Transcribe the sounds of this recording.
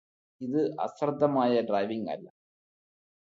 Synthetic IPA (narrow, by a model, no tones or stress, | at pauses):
iðɨʔɐ̰srd̪ʱːɐmaːjɐɖrɐːjʋiŋɡɐ̰lːɐ̰